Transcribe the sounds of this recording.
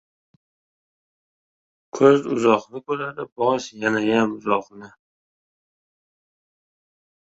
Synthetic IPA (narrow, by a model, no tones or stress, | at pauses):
kʰɵzʊ̰zɒχnɪkolad̪ɪbɒʃjanajamʊzɒχnɪ